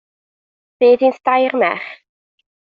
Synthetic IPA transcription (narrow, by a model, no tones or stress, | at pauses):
b̥iːðinsd̥ajrmɛ̰χ